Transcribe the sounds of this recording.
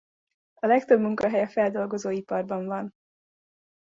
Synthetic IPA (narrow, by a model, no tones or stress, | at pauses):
ɒlɛkt̪ø̞bmuŋkɒɦɛjɛfɛld̪o̞lɡo̞zoːipɒrbɒɱvɒn